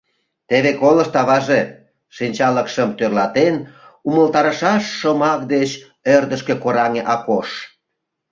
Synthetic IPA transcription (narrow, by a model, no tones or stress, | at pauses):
t̪eβekoləʃt̪ɑβɑʒe | ʃinʲt͡ɕɑləkʃəmt̪ørlɑt̪enuməlt̪ɑɾəʃɑʃːə̆mɑk̚d̪et͡ɕ | ørd̪əʃkekoɾɑŋeʔɑkoʃ